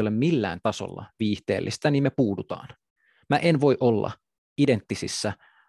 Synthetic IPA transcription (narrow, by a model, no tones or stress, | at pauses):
olemmilːæ̰ːnt̪ɑso̰lːɑ̰ʋiːht̪e̞̰ːlːʔist̪æniːmmepuːdut̪ɑ̰ːn | mæʔenʋo̞jʔo̞lːɑ̰ | ide̞nt̪ːisḭsːæ